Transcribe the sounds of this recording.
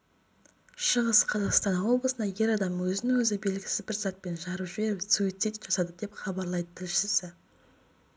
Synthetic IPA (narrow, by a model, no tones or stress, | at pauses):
ʃəʁəsqʰɑzɑqst̪ɑnɑwo̞blˠəsənɑje̞ɾɑd̪ɑmwɵzɪnɪŋwɵzɪbe̞lɡʲɪ̥sɪzbɪɾzɑt̪̚pe̞nʒɑɾəʒbeɾɪwsuijt̪sijt̪ʒ̥ɑsɑd̪əd̪e̞pχɑbɑɾlˠɑjd̪ət̪ʰɪlʃɪsɪ